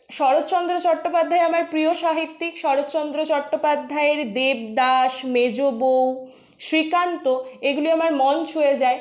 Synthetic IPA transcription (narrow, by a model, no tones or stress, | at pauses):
ʃɔɾot̪t͡ɕɔnd̪ɾot͡ɕɔʈːopad̪ʱːaeamaɾpɾioʃaɦit̪ːikʃɔɾot̪t͡ɕɔnd̪ɾot͡ɕɔʈːopad̪ʱːaeɾd̪eb̚d̪aʃmed͡ʑobow | ʃɾikant̪oeɡuliamaɾmɔnt͡ɕʰoed͡ʑae